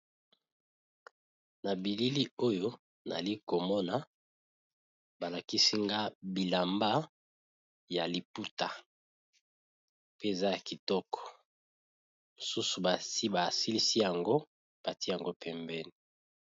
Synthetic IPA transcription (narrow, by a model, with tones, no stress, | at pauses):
na˨bi˨li˦li˦o˦jo˦ | na̰˨li˦ko˨mɔ˦na˨ | ba˨la˨ki˦si˦ŋɡa˦bi˨la˨mba˦ | ja˨li˨pu˦ta˨ | pe˦e˨za˦ja˨ki˨tɔ˦kɔ̥˨ | mo˨su˦su˨ba˨si˦ba˨si˦li˦si˦ja˨ŋɡo˦ | b̥a˨ti˦ja˨ŋɡo˦pɛ˦mbɛ˦ni˨